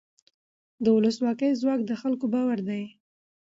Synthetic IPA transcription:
d̪əwʊləswɑkəjzwɑkd̪əxalkobɑwaɾd̪aj

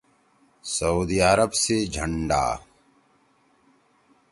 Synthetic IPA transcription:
səuːd̪iːaːɾəbsed͡ʒʱəɳɖa̰ː

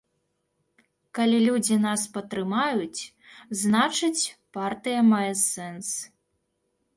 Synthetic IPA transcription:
kalʲilʲud͡zʲinaspɐt̪ɾɨmajut͡sʲ | znat͡ʂɨt͡sʲpart̪ɨjɐmajɛsɛns

